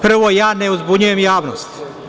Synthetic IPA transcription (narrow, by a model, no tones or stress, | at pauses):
pr̩ʋojaːneuzbuɲuje̞mjaːʋnost̪